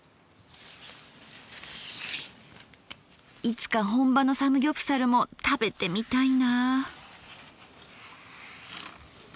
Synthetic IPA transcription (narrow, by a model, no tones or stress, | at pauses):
it͡sɨ̥kaɦõ̞mbano̞samɯ̟ɡʲopɯ̟̥saɾɯ̟mo̞t̪abe̞t̪e̞mʲit̪aina